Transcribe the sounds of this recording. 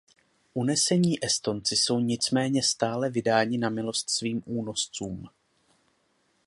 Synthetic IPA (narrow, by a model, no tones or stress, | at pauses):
ʔunɛsɛɲiːʔɛst̪o̞nt͡sɪso̞wɲɪt͡smɛːɲɛst̪aːlɛvɪdaːɲɪnamɪlo̞st̪sviːmʔuːno̞st͡suːm